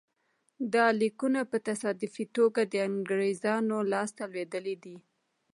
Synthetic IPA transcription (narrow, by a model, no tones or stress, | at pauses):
d̪ɑlikunapət̪asɑd̪ɪfit̪oɡad̪əaŋɡɾezɑnolɑst̪alwed̪əled̪i